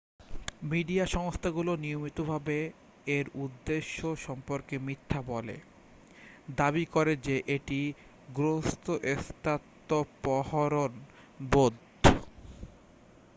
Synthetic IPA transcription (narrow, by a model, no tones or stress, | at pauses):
miɖiaʃɔŋost̪ʰaɡuloniomit̪obʱabe | eɾud̪ːeʃːoʃɔmpoɾkemit̪ʰːabɔlḛ | d̪aβikoɾed͡ʑeʔeʈi | ɡɾost̪ʰoʔest̪at̪ːopɔhoɾon | bod̪ʱ | o